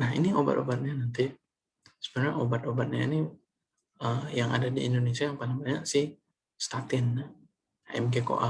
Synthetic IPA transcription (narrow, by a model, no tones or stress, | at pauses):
nahḭniʔoba̰t̪obat̪̚ɲanant̪i | sə̥bənaɲaʔobat̪obat̪̚ɲa̰ḭni | əjaŋʔa̰dadiːndonesiajaŋpalɪŋbaɲaʔsɪh | st̪at̪ɪnːa | aɛ̰mɡeko̰ʔa